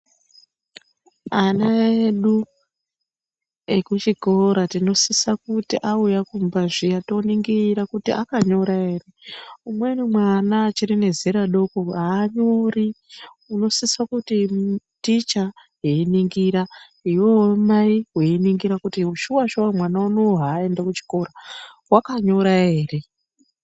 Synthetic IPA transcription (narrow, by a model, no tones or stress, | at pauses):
anaeɗu | ekut͡ʃiko̞ɾatino̞sisakutiʔaujakumbaʐijato̞niŋɡiɾakutiʔa̰kaɲo̞ɾae̞ːreumwe̞nimwanat͡ʃiɾene̞zeɾaɗo̞koaːɲo̞ri | uno̞sisakuti | tit͡ʃaɦeiniŋɡiɾa | iwowomaiɦweiniŋɡiɾakutiuʃuwaʃuwamwanaunoɦaːe̞ndakut͡ʃi̥ko̞ɾawakaɲo̞ɾae̞ːre̞